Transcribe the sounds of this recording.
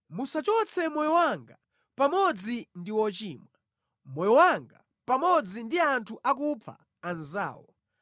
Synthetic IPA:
musat͡ʃɔt͡sʰɛmɔjɔwaŋɡa | pamɔd͡zindiwɔt͡ʃiːmwa | mɔjɔwaŋɡa̰ | pamɔd͡zindiantʰuʔak̬upʰa̰ː | nza̰ːwɔ

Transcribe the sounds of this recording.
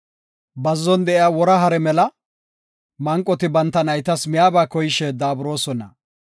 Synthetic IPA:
bɐzːɔnd̪ɛʔɪjaːwɔɾɐɦɐɾɛmɛlɐ | mɐŋkʼːɔt̪ɪbɐnt̪ːɐnɐjt̪ɐsmɪjaːbaːkɔjɪʃɛd̪aːbʊɾo̞ːsɔnɐ

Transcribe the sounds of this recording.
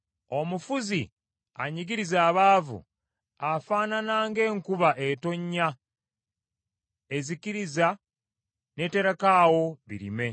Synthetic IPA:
o̞mufuzi | a̰ɲiɡiɾizaːβaːvṵ | afaːnanaːŋɡe̞ːŋkuβaʔeto̞ɲːa | e̞ziciɾiza | ne̞teɾakaːwo̞βḭɾḭme̞

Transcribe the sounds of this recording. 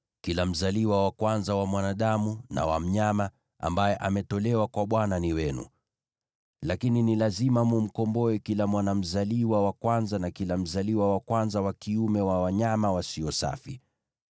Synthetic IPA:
kilam̩zaliwawakwanzawamwanaɗamuna̰wa̰m̩ɲama | a̰mbajɛʔamɛtɔlɛwakwaɓwananiwɛnṵ | lakininilazimamum̩kɔmbɔɛkilamwanam̩zaliwawakwanzanakilam̩zaliwawakwanzawakiumɛwawaɲamawasiɔsa̰fi

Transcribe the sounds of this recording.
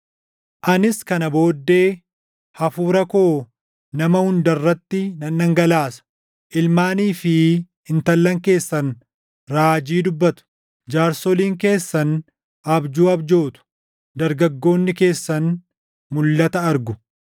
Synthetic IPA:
ʔɐnɪskɐnɐbo̞ːd̪ːe̞ː | hɐfuːɾɐkoː | nɐmɐhʊnd̪ɐrːɐt̪ːɪnɐnːɐŋɡɐlaːsɐ̥ | ʔɪlmaːniːfɪ | ɪnt̪ɐlːɐŋke̞ːsːɐn | ɾaːd͡ʒiːd̪ʊbːɐt̪ʊ̥ | d͡ʒaːɾsɔliːŋke̞ːsːɐn | ʔɐbd͡ʒuːɐbd͡ʒo̞ːt̪ʊ̥ | d̪ɐɾɡɐɡːo̞ːnːɪke̞ːsːɐn | mʊlːɐt̪ɐɐɾɡʊ

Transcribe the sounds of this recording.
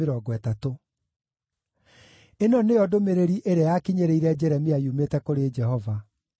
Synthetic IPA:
eɾɔɡwɛtato | enɔnejɔdomeɾeɾiʔeɾeajakiɲeɾeiɾɛd͡ʒɛɾɛmiaiumetɛkoɾed͡ʒɛhɔva

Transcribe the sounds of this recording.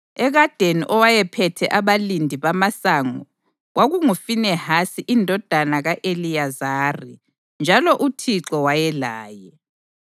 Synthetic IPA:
ɛɣad̥ʱeniʔɔwajɛpʰɛtʰɛʔaβalindʱiβamasaŋɔ | ɣwaɣuŋufinɛhasiʔindʱɔd̥ʱanaɣaʔelijazaːri | nd͡ʒʱalɔʔutʰiǁɔwajɛlaːjɛ

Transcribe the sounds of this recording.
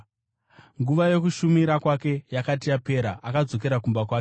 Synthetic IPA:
ŋɡuʋajo̞kuʃumiɾakwake̞jakat̬ijape̞ɾaʔakad͡zo̞k̬e̞ɾakumbakwaːke

